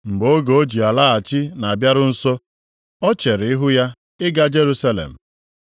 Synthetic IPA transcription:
m̩˨bo˦ɡo˨o˦d͡ʒi˨a˨la˦a˨t͡ʃɪ˦na˨a˨bja˦ɾʊ˦n̩˦so˦ | ɔ˦t͡ʃe˨ɾɪ˨ɪ˦ɦʊ˦ja˦ | ɪ˦ɡa˦d͡ʒe˦ɾu˦sa˦lḛ˨m̩˨

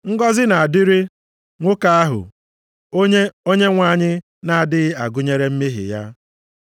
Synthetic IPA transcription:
ŋ̩˦ɡɔ˦zɪ˦na˨a˨dɪ˦ɾɪ˦ | ŋʷʊ˦ka˦a˦ɦʊ̰˨ | o˦ɲe˦o˦ɲe˦ŋʷa˦˨ɲɪ˦ | na˨a˨dɪ˦ɣɪ˦a˨ɡʊ˦ɲe˦ɾe˦m̩˦mi˦ɦɪ̰˨ja̰˦

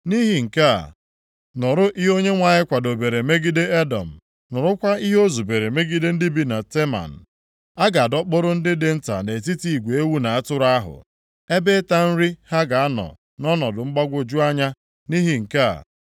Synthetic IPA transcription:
ni˦ɦi˨ŋ̩˨ka̰˦˨ | nʊ˨ɾʊ˦ʔi˦ɦo˦ɲe˦ŋʷa˨ɲɪ˦kʷa˨do˨be˨ɾe˨me˦ɡi˦de˦e˦dɔ̰˨m̩˨ | nʊ˨ɾʊ˦kʷa˦i˦ɦo˦zu˨be˨ɾe˨me˦ɡi˦de˦n̩˦dɪ˦bi˦na˨te˦ma̰˨n̩˨ | a˦ɡa˨a˨dɔ˦k͡pʊ˦ɾʊ˦n̩˦dɪ˦dɪ˦n̩˦ta̰˨ne˨t̬i˦ti˦˨i˨ɡʷe˦wu˦na˨a˦tʊ˦ɾa˦ɦʊ̰˨ | e˦be˦ta˦n̩˦ɾi˦ha˦ɡa˨a˦nɔ̰˨ | nɔ˦nɔ˨dʊ˨ŋ͡m̩˦ɡ͡ba˦ɡʷʊ˦d͡ʒu˦a˦ɲa˦ | ni˦ɦi˨ŋ̩˨ka̰˦˨

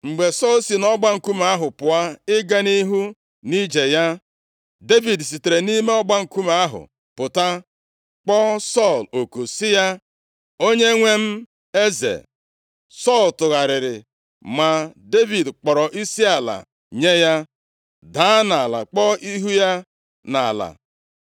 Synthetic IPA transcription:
ŋ͡m̩˨ɡ͡be˨sɔ˦˨lsi˨nɔ˦ɡ͡ba˦ŋ̩˨ku˦m˦a˦ɦʊ˨pʊ˨a˦ɪ˦ɡa˦ni˦ɦu˦ | ni˦d͡ʒe˨ja˦ | de˦vi˨ds̬i˨te˨ɾe˨ni˦me˦ɔ˦ɡ͡ba˦ŋ̩˨ku˦m˦a˦ɦʊ̰˨ | pʊ˨ta˦ | k͡pɔ˦sɔ˦˨lo˨ku˨sɪ˦ja˦ | o˦ɲe˦ŋʷe˦m̩˦ | e˦zḛ˨ | sɔ˦˨ltʊ˨ɣa˨ɾɪ˨ɾɪ˨ | ma˨de˦vi˨dk͡pɔ˨ɾɔ˨ʔi˦si˦a˨la̰˨ | ɲe˦ja˦ | da˨˦na˨la̰˨k͡pɔ˦i˦ɦu˦ja˦ | na̰˨la̰˨

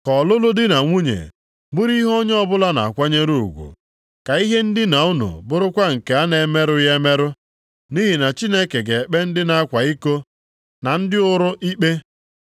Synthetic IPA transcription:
kɔ˨lʊ˦lʊ˦dɪ˦na˨ŋʷu˦ɲḛ˨ | bʊ˦ɾi˦ɦɔ˦ɲ˦ɔ˦bʊ˦la˦na̰˨a̰˨kʷa˦ɲe˦ɾu˦˨u˨ɡʷṵ˨ | ka˨i˦ɦe˦n̩˦dɪ˦na˨u˦nṵ˨bʊ˦ɾʊ˦kʷa˦ŋ̩˨ke˨a˦ne˨˦me˦ɾʊ˦je˦me˦ɾʊ˦ | ni˦ɦi˨na˨t͡ʃi˦ne˦ke˨ɡe˨e˨k͡pe˦n̩˦dɪ˦na˨a˦kʷa˨i˦ko˦ | na˨n̩˦dɪ˦ʊ˦ɾʊ˦ʔi˦k͡pe˦

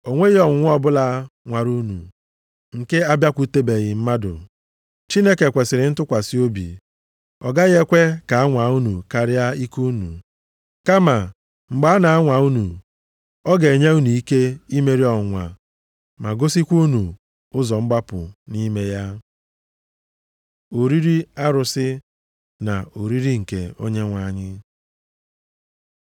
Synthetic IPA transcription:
o˨ŋʷe˦ɣe˦ɔ˨ŋ˦ŋʷ˦ɔ˦bʊ˦la˦ŋʷa˨ɾu˦nṵ˨ | ŋ̩˨ke˦a˦bja˦kʷu˦te˦be˨ɣɪ˨m̩˦ma˦dʊ̰˨ | t͡ʃi˦ne˦ke˨kʷe˨sɪ˨ɾɪ˨n̩˦tʊ˦kʷa˨sɪ˦o˦bḭ˨ | ɔ̰˨ɡa˦ɣe˦kʷe˦ka˨a˦ŋʷa˨u˦nu˨ka˦˨ɾɪ˦a˦i˦ku˦nṵ˨ | ka˦ma˨ | ŋ͡m̩˨ɡ͡ba˨˦na˨a˦ŋʷa˨u˦nu˨ | ɔ˦ɡe˨ɲe˦u˦nu˨i˦ke˦i˦me˦ɾi˦ɔ˨ŋʷa̰˨ | ma˨ɡo˦si˦kʷu˦nu˨ | ʊ˦zɔ˨mŋ͡m̩˦ɡ͡ba˦pʊ̰˨ni˦me˦ja˦ | o˨ɾi˦ɾi˦a˦ɾʊ˨sɪ˦ | na˨o˨ɾi˦ɾi˦ŋ̩˨ke˨o̰˦ɲe˦ŋʷa˨ɲɪ˦

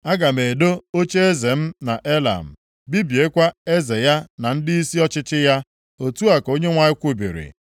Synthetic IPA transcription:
a˦ɡa˨me˨do˦o˦t͡ʃe˦e˦ze˨m̩˦na˨ʔe˦la̰˨m̩˨ | bi˦bje˦kʷa˦e˦ze˨ja˦na˨n̩˦dɪ˦i˦si˦ɔ˦t͡ʃɪ˦t͡ʃɪ˦ja˦ | o˨tu˦a˨ko˦ɲe˦ŋʷa˨ɪ˦kʷu˦bḭ˨ɾɪ̰˨

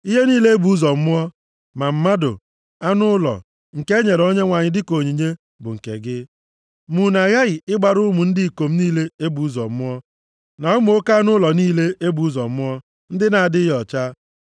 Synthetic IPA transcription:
i˦ɦe˦niː˦le˦e˦bu˨˦u˦zɔ˨m̩˦ʊ˦ɔ˦ | ma˨m̩˦ma˦dʊ̰˨ | a˦nʊ˦lɔ̰˨ | ŋ̩˨ke˦ɲe˨ɾo˦ɲe˦ŋʷa˨ɲɪ˦dɪ˦ko˨ɲi˨ɲe˦ | bʊ̰˨ŋ̩˨kḛ˨ɡɪ˦ | mu˨na˨ɣa˦ɣɪ˨ɪ˦ɡ͡ba˨ɾʊ˦mu˨n̩˦dɪ˦i˨ko˨m̩˦niː˦le˦e˦bu˨u˦zɔ̰˨˦ʊ˦ɔ˦ | na˨ʊ˦mʊ˦˨o˦ka˦a˦nʊ˦lɔ˨niː˦le˦e˦bu˨u˦zɔ˨˦ʊ˦ɔ˦ | n̩˦dɪ˦na˨a˨dɪ˦ɦɔ˨t͡ʃa˦

